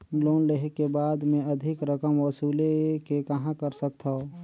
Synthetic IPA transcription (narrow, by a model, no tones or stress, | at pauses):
loːnleɦekebaːd̪mẽəd̪ʱɪkɾəkəmʋɔsuːlekekəɦãkəɾsək̚t̪ʰao